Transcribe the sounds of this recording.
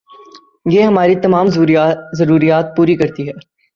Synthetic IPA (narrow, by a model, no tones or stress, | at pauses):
jeːɦɐmaːɾit̪ɐmaːmzɐɾuːɾijaːt̪̚puːɾikɐɾt̪iɦɛː